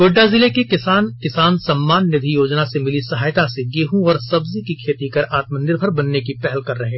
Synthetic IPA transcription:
koːɖːazɪlekekɪsaːnkɪsaːnsɐmːaːnːɪd̪ʱijoːd͡ʒnasemɪlisɐɦaːjt̪aseɡeːɦũɔːɾsɐbzikikʰeːt̪ikɐɾaːt̪mənɪɾbʱəɾbɐnːekipɛɦɛlkɐɾːɐɦeː

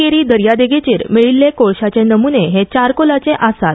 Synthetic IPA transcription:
eɾiːd̪əɾjad̪eɡet͡ɕiːɾmiɭilːekoɭɕat͡ɕenəmuneɦet͡ɕaɾkolat͡seʔasat̪̚

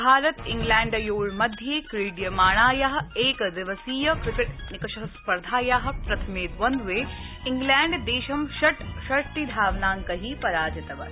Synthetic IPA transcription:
bʱaːɾɐt̪iŋɡlæːɳɖɐjoːɭmɐd̪ʱjeːkɾiːɖjɐmaːɳ̃aːjaɦɐ̆eːkd̪ɪʋɐsiːjɐkɾɪkeʈnikɐʃɐɦɐspɐɾd̪ʱaːjaːɦɐ̆pɾɐt̪ʰɐmeːd̪ʋɐnd̪ʋeː | iŋɡlɛːɳɖd̪eːʃɐmʃɐʈʃɐɾt̪id̪ʱaːʋnaːŋkɐɦiːpɐɾaːd͡ʒɐt̪ɐʋɐ̰

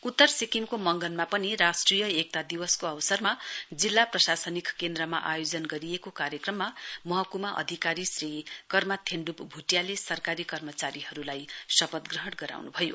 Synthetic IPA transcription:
ut̪ːʌrsikimkomʌŋɡʌnmapʌniɾasʈrijʌek̚t̪ad̪iwʌskoʌwsʌrmad͡zilːaprʌsasʌnikkend̪rʌma̰ʔajod͡zʌnɡʌɾijekokaɾjʌkrʌmːamʌɦʌkumaʔʌ̰d̪ʱikaɾisrikʌrmat̪ʰeɳɖupbʱuʈjalesʌrkaɾikʌrmʌt͡saɾiɦʌɾulajsʌpʌd̪ɡrʌɦʌɽɡʌɾa̰wnubʱʌjo̰

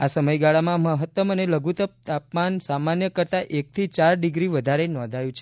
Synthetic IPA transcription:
asəməjɡaɭamãməɦət̪ːəməneləɡʱut̪əp̚t̪apmansamanjəkəɾt̪aʔek̚t̪ʰit͡ʃaɾɖiɡɾiʋəd̪ʱaɾenɔ̃nd̪ʱajũt͡ʃʰe

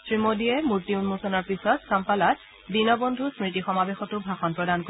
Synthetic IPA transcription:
sɹimodijɛmuɹtiunmusɔnaɹpisɔtkampalat̚ | dinɔbondʱusmɹitixɔmabexɔtʊbʱaxɔnpɹɔdanko

